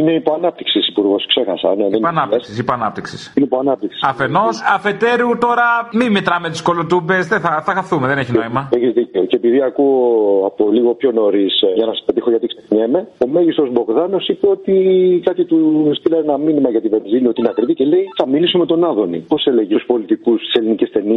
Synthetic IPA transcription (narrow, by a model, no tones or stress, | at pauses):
ine̞ipo̞ɐnɐp̚t̪iksisipuɾɣo̞skse̞xɐsɐneðenɐnɐessisipoɐnɐp̚t̪iksisinipoɐnɐp̚t̪iksi̥sɐfeno̞sɐfe̞t̪eɾut̪o̞ɾɐmimit̪ɾɐmet̪isko̞lot̪ubezðeθɐθɐxɐθumeðeneçinoimɐeçizðiceoceepiðiɐkuoɐpoliɣo̞pço̞no̞ɾisʝɐnɐsɐspe̞t̪ixoʝɐt̪iksekɲeme̞o̞me̞ʝist̪ɾo̞zbo̞ɣðɐno̞sipe̞o̞t̪ikɐt̪it̪ust̪ilɐenɐminimɐʝɐt̪ive̞nziniot̪ineɐkɾit̪iceleiθɐmilisume̞t̪o̞nɐðo̞nḭpo̞seleʝeuspo̞lit̪ikusst̪i̥selinicest̪e̞ni